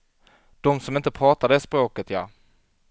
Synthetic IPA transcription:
d̪̥ɔmsɔmɪnt̪əpʰɾɑːt̪aɖɛspɾoːkət̪jaː

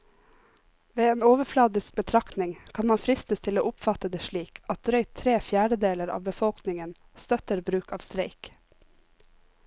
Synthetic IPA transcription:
ʋeːeːnoːʋəflɑːd̪ɪsk̚bət̪ʰɾɑk̪nɪŋkʰɑnmɑnfɾɪst̪əst̪ʰɪloːʔʊpfɑt̪əd̪eːʃɭiːkʰɑt̪ɾœʏt̪ʰɾeːfjæːɖəd̪eːləɾɑ̰ːʋbəfɔlknɪŋən | st̪œt̪əɾbɾʉːkʰɑːʋst̪ɾeɪk

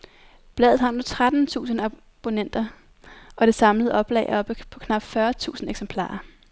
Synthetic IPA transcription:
b̥lɛ̰ːð̩ˠɦɑ̈nut͡sʰʁad̥n̩t͡sʰṵːsn̩æ | b̥o̝nen̰d̥ɐ | ɒ̽ɾ̥e̝sɑ̈mləð̩ˠɒ̽b̥lɛ̰ɪɒ̽b̥pʰɒ̽kʰnɑ̈b̥fɶɐt͡sʰṵːsn̩eɡ̥sempʰlɑ̰̈ːɐ

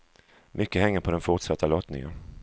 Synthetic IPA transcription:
mʔʏkːəɦɛŋːəɾpʰɔd̪ɛnfʊʈsat̪ʰːalɔt̪nɪ̰ŋə̰n

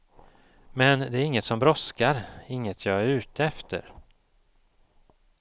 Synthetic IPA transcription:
mɛnd̪ɛæɾɪŋːət̪sɔmbɾɔskaɾɪŋːət̪ʰjɑːæɾʉ̟ːt̪əɛft̪ə̰ɾ

